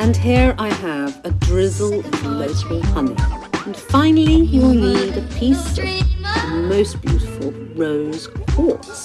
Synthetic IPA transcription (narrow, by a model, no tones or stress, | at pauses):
ɨ̃nɦiɹaɪəvɨdɹɪzl̩ˠə̃nloʊkəl̩ˠhʌnḭɨ̃n̩fãɪ̃nl̩ˠijiwlˠjiðɨpʰistə̰ɨ̃moʊstb̥jʉɾɨfl̩ˠ | ɹoʊz̥kʰɔɹs